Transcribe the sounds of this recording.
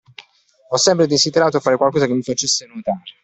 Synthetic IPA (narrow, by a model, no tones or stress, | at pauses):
ɔsːɛmpɾed̪ezid̪eɾaːt̪oafaːɾekwalkɔːzakemːifat͡ʃesːenut̪aːɾ